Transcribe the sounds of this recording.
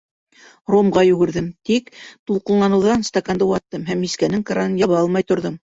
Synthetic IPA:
romʁɑjʉ̆ɡɘ̆ɾðɘmt̪ikt̪ulˠqɤ̆lˠlˠɑnɤ̆wðɑnst̪ɐkand̪ɤwɑt̪ːɤmɦæmiskænɘŋkaɾanɤnjɑβɑɑlˠmɑjt̪ŏɾðom

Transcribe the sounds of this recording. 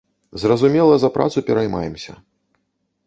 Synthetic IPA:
zrɐzumʲɛlˠɐzɐpɾʔa̰t̪supʲɛɾajma̰jɛmsʲɐ̰

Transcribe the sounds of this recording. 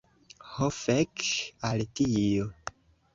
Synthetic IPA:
hofekaltio

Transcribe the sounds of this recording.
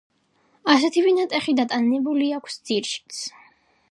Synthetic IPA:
as̬ɛt̪ʰivinat̪ʼɛχid̪at̪ʼanɛbuliakʷʰsd̪z̥iɾʃi̥t̪sʰ

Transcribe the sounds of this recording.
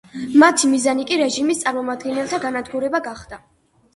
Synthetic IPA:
mat̪ʰimizanikʼiɾɛʒimist̪sʼaɾmɔmad̪ɡɛnɛlˠt̪ʰaɡanad̪ɡuɾɛbaɡaχd̪a

